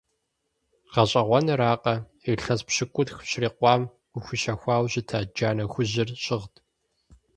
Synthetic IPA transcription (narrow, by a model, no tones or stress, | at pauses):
ʁ̥ɐɕʼɐʁʷɔnɨɾaːqʼɐ | iɬɐspɕɪkʷʼʊtxɕriːqʷɑːm | ʊxʷʊʃɐxʷɑːwɕɪtʰaːd͡ʒaːnɐxʷʊʑɪrɕɪʁtʰ